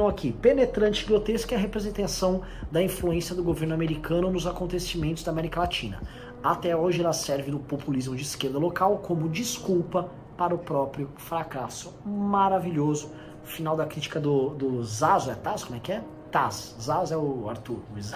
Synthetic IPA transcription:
ɐ̃w̃akʰipenet̪ɾɐ̃nt͡ʃɪɡot̪eskɛɐɦepɾezẽnt̪ẽsɐ̃w̃ | d̪ɐĩfluẽsiɐd̪ʊɡoveɾnʊameɾikɐ̃nʊnʊzakõnt̪esimẽnt̪ʊzd̪amɛɾikɐlat͡ʃĩnɐ̰ | at̪ɛoʒɪɛlɐsɛɾvɪnʊpopulizmʊd͡ʒɪiskeɾd̪ɐlokawkʰõmʊd͡ʒiskuwpɐ | paɾʊpɾɔpɾjʊfɾakasʊ̥maɾaviʎozʊ | ʊfinawd̪ɐkɾit͡ʃi̥kɐd̪ʊd̪ʊzazʊɛt̪askom̃ʊ̃ɛkɪɛ | t̪aszazʊɛʊa̰ɾt̪uɾʊz

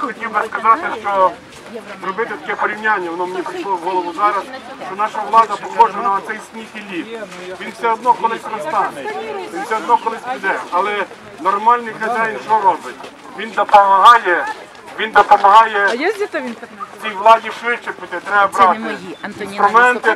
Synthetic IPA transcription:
jxɔtʲiwbɪskɐzɑt̪ɪʃt͡ʃɔ | ɾɔbɪt̪ɪt̪ɐ̥kʲɛpɔɾʲiwnʲanʲːɐʋɔnɔmnʲɛpɾɪʃlˠɔʋɦɔlˠɔʋʊzɑɾɐsʃt͡ʃɔnɑʃɐʋlˠɑd̪ɐpɔxɔʒenɐɐt̪sɛjsʲt̪ʲnʲifʲilʲip | ʋʲinfsʲɛɔd̪nɔkɔlˠɪsʲpɾɐst̪ɑɛʋʲinfsʲɛɔd̪nɔkɔlˠɪsʲbʊd̪ɛɐlˠɛ | nɔrmɑlʲnɪjkʲɐd̪ʲajinʃɔɾɔbɪt̪ʲ | ʋʲind̪ɐpɐmɐɦɑjɛ | ʋʲind̪ɐpɐmɐɦɑjɛ | t͡s̪ʲijʋlˠɑdʲiʃɪt͡ʃɪpɪt̪ɪt̪ɾɛɐbɾɑt̪nɛnnst̪ɾʊmɛnt̪ɪ

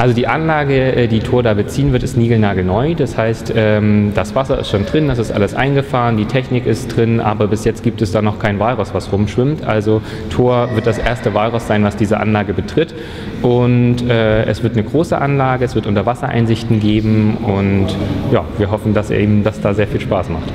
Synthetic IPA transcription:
ʔalzodiːʔanlaːɡəʔɛdiːtʰoːɐdaːbət͡siːənvɪɐtɪstniːɡl̩naːɡl̩nɔʏdashaɪstʔɛːmd̥asv̥asɐɪ̰stʃoːndʁɪndasɪstʔa̰ləsʔa̰ɪnɡəfaːʁəndiːtʰɛçnɪkɪstd̥ʁɪnʔa̰ːbɐbɪsjɛt͡stɡ̥iːp̚tɛsd̥aːnɔχkʰaɪnvaːlʁasv̥asʁʊmʃv̥ɪmtʔa̰lzo | tʰoːɐvɪɐt̚d̥asʔeːɐstəvaːlʁʊsz̥aɪnvasd̥iːzəʔa̰nlaːɡəbətʁ̥ɪt | ʔʊntʔɛːʔɛ̰sv̥ɪɐtnəɡʁoːsəʔanlaːɡəɛsv̥ɪɐtʔʊntɐvasɐʔa̰ɪnzɪçtn̩ɡeːbm̩ʔʊntja̰ːviːɐɦɔfn̩dasɛ̰ɐʔiːbm̩dasd̥aːzeːɐfiːlʃpaːsmaχt

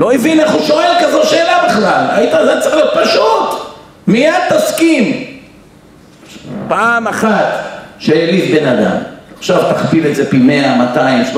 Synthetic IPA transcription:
lo̞evineχuʃo̞elkazoʃeːlabeχlala̰it̪azet͡saletpaʃut̪ | mijad̪̚t̪askim | paːmaχat̪ʃejelitbe̞nad̪a̰maχʃavt̪aχbileze̞pimeamat̪aimʃ

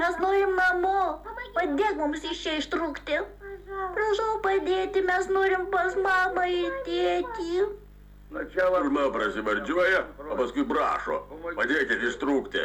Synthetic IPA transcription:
mʲɛsnoːɾʲɪmnɐmoːpɐd̪ʲeːkmʊmsɪʃʲt͡ʃʲɛɪʃt̪ɾuːkt̪ʲɪ | brɐʃɐʊpɐd̪ʲeːt̪ʲɪmʲɛsnoːɾʲɪmpɐsmɑːmɐɪt̪ʲeɛt̪ʲiː | mɐpɾɐsʲɪʋɐɾʲd͡ʒʲuɔjɛoːpɐskʊɪbrɑ̰ːʃo̰ːpɐd̪ʲeːkʲɪt̪ɪʃt̪ɾuːkt̪ʲɪ̰

